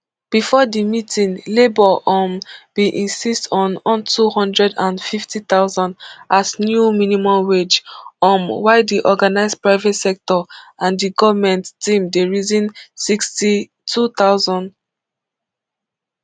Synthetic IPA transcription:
b̥ifɔdimitʰĩnlebɔʔɔmbiʔĩnsistʰɔ̃nɔ̃ntʰuhɔ̃ndɹɛdãnfiftit̪aʊzɔ̃ndasnjuminimɔ̃mwed͡ʒɔ̃mwaɪdiʔɔɡanaɪspɹaɪvɛtsɛk̚tɔãndiɡɔvəmɛ̃ntːĩmdeɹizĩnsiksti | tʰut̪aʊzɔ̃nd

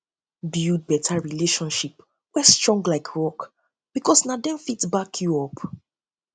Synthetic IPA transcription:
bjud̚bɛtʰaɹileʃɔ̃nʃip | wɛstɹɔ̃ŋɡlaɪkʰɹɔk | b̥ikɔsnadɛ̃nfitbakʰjuɔp

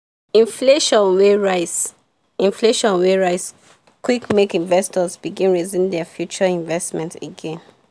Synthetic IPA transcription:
ĩnfleʃɔ̃nweɹaɪs | ĩnfleʃɔ̃nweɹaɪs | kwikmekĩnvɛstɔzbiɡĩnɹizĩndɛfjut͡ʃɔĩɱvɛstmɛ̃nteɡɛ̃n

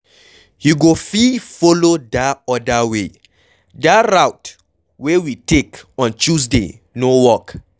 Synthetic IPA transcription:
juɡofifolodaɔdawe | daɹawt | wewitekɔ̃nt͡ʃusdḛ | nowɔk

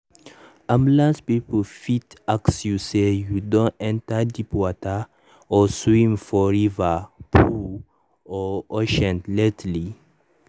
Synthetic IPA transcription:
ʔãmblãnspipəlfitaksjusejudɔ̃nɛ̃ntadipɔta | ɔswĩmfɔɹivapʰu | ɔɔʃɛ̃ntlɛtli

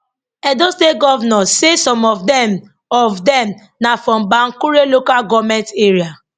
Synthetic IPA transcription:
ɛ̃dɔsteɡɔvnɔsesɔ̃mɔvdɛm | ɔvdɛ̃m | nafɹɔ̃mbãŋkuɹelokalɡɔvmɛ̃nteɹia

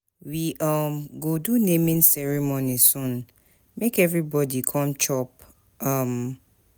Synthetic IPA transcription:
wiʔʌmɡodunẽmĩnsɛɹimonisũn | mekɛvɹibɔdikʰɔ̃mt͡ʃɔp̚ | ʌm

